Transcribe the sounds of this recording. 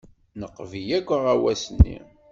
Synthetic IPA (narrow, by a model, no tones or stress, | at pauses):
nəqːvijækʷːəʁæwæsənːḭ